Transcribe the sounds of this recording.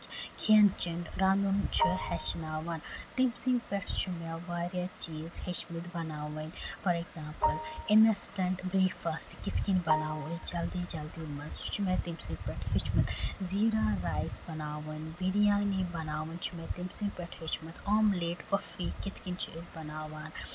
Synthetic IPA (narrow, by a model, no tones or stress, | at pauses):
kʰiɐnt͡ʃiɳɖɾãːnd̪unt͡ʃʰihɛt͡ʃnaːʋɐnt̪imsĩŋpʲɛʈʰt͡ʃʰumaʋaːɾjat͡ʃiːzhit͡ʃmit̪bɐnaːʋɐnʲfɐɾeɡzãːmpɨlɪnɐsʈɐɳʈbɾiːkfasʈkɪt̪kinbɐnaːʋud͡ʒɐld̪iːd͡ʒɐld̪iːmɐnz̥t͡ʃʰumẽt̪imsĩŋpʲɛʈʰɦit͡ʃʰmit̪ziːɾaːɾaːjsbɐnaːʋɐnbiɾijaːnibɐnaːʋɐnt͡ʃʰumẽt̪imsĩŋpʲɛʈʰhet͡ʃmɐt̪ʰoːmleːʈpɐfiːkɪt̪ʰkint͡ʃʰiizbɐnaːʋaːn